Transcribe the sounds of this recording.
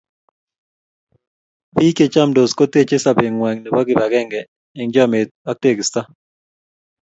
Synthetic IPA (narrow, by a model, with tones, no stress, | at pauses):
pi˦ke˨t͡ʃa˦mdo˨sko˦t̪e˦t͡ʃe˦sa˨be˨ŋwɛ˨ŋne˨bɔ˦ɡɪ˨ba˨ɡɛ˦ŋɡɛ˨ | ɪ˨ŋd͡ʒɔ˦mɪ˨t̪̚a˦k̚te˦˨ɡsta˦